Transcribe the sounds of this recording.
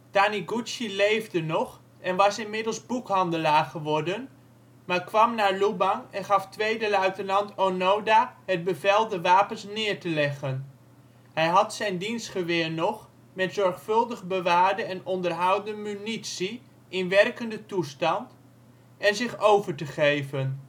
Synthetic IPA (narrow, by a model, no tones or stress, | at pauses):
d̥aniɡut͡ʃilejvdənɔχ | ɛnʋɑsɪnmɪdəlˠzbukɦɑndəlaːɹχəʋɔɹdən | maːɹkʋɑmnaːɹlubɑnɛnχɑftʋejdəlœɥtənɑntonowdaːɦəd̚bəvɛlˠdəʋaːpənsnɪːɹtəlɛχən | ɦɛjɦɑtsɛjndinstχəʋɪːɹnɔχ | mɛtzɔɹχfɵlˠdəχbəʋaːɹdəɛnɔndəɹɦɑwdəmynitsi | ʔɪnʋɛrkəndətustɑnt | ɛnzɪχowvəɹtəχejvən